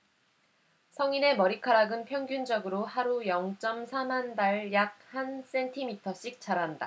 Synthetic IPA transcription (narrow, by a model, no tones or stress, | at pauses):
sʰʌŋine̞mʌɾikʰaɾaɡɯnpʰjʌŋɡjund͡ʑʌɡɯɾohaɾujʌŋt͡ɕ͈ʌmsʰamandaɭjak̚hans͈e̞ntʰimitʰʌɕ͈ik̚t͡ɕ͈aɾanda̰